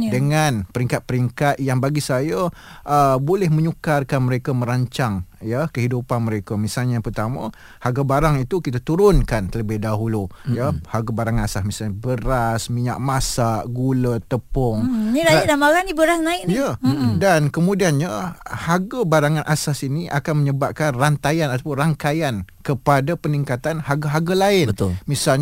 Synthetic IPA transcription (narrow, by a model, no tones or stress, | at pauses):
dəŋanpəɾiŋkat̪̚pəɾiŋkat̪̚jaŋbaɡisajə | ʔəbolɛhmə̃ɲukarkanməɾekamə̃ɾaɲt͡ʃaŋjakəɦidupanməɾekamisalɲapərt̪amə | haɡabaɾaŋit̪ukit̪at̪uɾʊnkant̪ləbɪhdaɦulujahaɡabaɾaŋanasasmisalɲabəɾasmiɲa̰ʔ̚masaʔɡulət̪əpɔŋniɾaidamaɾanibəɾasnaɪʔniadankəmudianɲahaɡabaɾaŋanʔasasiniʔa̰kanməɲəbap̚kanrant̪ajanat̪apʊnraŋkajankəpadapəniŋkat̪anhaɡaɦaɡalaɪnəʊmisalɲ